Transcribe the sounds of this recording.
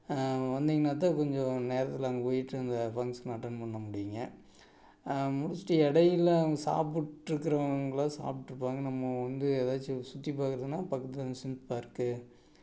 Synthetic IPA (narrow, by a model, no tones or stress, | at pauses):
ʋɐnd̪iŋɡɐnaːt̪̬aːkɔɲd͡ʒɔ̃neːɾɐt̪ːɪlaːŋɡɐpoːjɪʈːɯɐnd̪ɐfɐŋsnaʈːɐnpɐɳːɐmʊɽɪjɯŋɡɐ̰ | mʊɽʊsʈːɐɛɽɐjɪlsa̰ːp̬ɯʈːɾɯkːɯɾɐŋɡɐɭãːsa̰ːpʈːɪɾɯpːaːŋɡɐnɐmːɐʋɐnd̪ɯeðaːt͡ʃːɯsʊt̪ːipːaːkɯɾɐðɯnːaːpɐkːɐt̪ːɯlːsɪnspaːɪɾɯkːɯ